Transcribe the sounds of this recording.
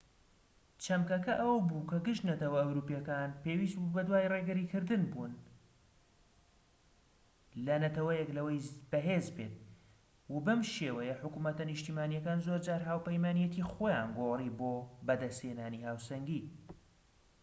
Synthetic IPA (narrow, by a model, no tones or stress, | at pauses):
t͡ʃʰɐmkɐkɐʔɐwbukɐɡɨʃt̪nɐt̪ɐwɐɐwɾuːpijɛkaːnpeːwist̪bubɐd̪waːjreɡɨɾiːkɨɾd̪ɨnbun | lɐnɐt̪ɐwɐjɛklɐwɐjbɐɦezbet̪̚ | wabɐmʃeːwɐjɛħʊkumɐt̪ɐnɨʃt̪iːmaːnijɐkaːnzoɾd͡ʒaːɾɦaːwpɐjmaːnijɛt̪ʰixoːjaːnɡoriboːbɐd̪ɐsheːnaːnihaːwsɐŋɡiː